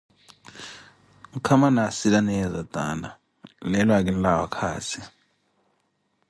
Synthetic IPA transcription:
ukʰamanasilanɛjɛzad̥ʱʼa̰na̰ | lɛlwak̬inlawa̰kʰa̰ːt͡sʰi

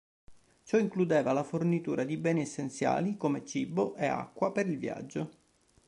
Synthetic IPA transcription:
t͡ʃɔiŋklud̪eːvalafornit̪uːɾʔad̪ibɛːniɛsːent̪sja̰ːlikomet͡ʃiboʔea̰kːwapeɾilvja̰d͡ʒːo

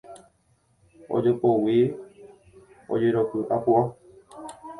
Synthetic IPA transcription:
o̰d͡ʒopowi | o̰d͡ʒeɾopɨʔapua

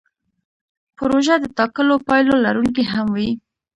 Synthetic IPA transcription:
pʊɾoʒad̪ət̪ɑkəlopɑjlolaɾuŋk̬iɦamwi

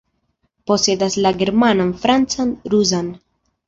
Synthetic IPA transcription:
po̞se̞daslaɡe̞ɾmananfɾant͡sanɾuzan

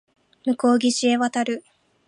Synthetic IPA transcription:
mɯ̟ko̞ːɡʲiɕieβat̪aɾɯ̟

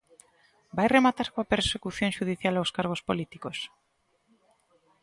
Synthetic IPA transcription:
bajremat̪aɾkoapeɾsekuθjoŋʃuðiθjalawskaɾɣ̞ospolit̪ikos

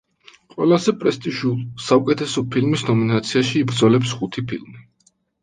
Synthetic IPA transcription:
qʼwɛlˠazɛpʼɾɛst̪ʼiʒusaukʼɛt̪ʰɛsɔpʰilmisnɔminat̪sʰiaʃiːbɾd̪zɔlɛpsχut̪ʰipʰilˠmi

